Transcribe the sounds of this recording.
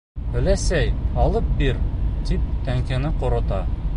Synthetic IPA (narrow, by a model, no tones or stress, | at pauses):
ɘ̆læsæjɑlˠɤp̚biɾt̪ip̚t̪æŋkɘ̆nɘqŏɾŏt̪ɑ